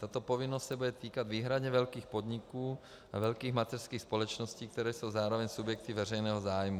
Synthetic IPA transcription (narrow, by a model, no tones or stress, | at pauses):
t̪at̪opovɪnost̪sɛbudɛt̪iːkad̪viːɦɾad̪ɲɛvɛlkiːxpod̪ɲikuː | ʔa̰vɛlkiːxmat̪ɛr̥skiːxspolɛt͡ʃnosciːk̚t̪ɛɾɛːso̞wzaːɾovɛɲsubjɛk̚t̪ivɛrɛjnɛːɦozaːjmu